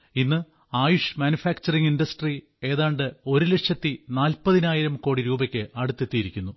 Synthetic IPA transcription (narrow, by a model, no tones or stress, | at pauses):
inːɨ | aːjuʂmaːnjufaːkt͡ɕɐriŋinɖɐsʈri | e̞ːðaːɳɖɨo̞ɾuleʈʂjɐt̪ːinaːlpɐðinaːjiɾɐmko̞ːɽiɾuːbɐkʲːɨʔɐɽut̪ːet̪ːijiɾikʲːunːu